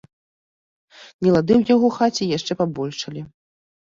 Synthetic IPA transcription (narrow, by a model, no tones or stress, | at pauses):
nʲɛlˠad̪ɨwjaɣɔxat͡sʲijaʂt͡ʂɛpabɔlʲʂɐlʲi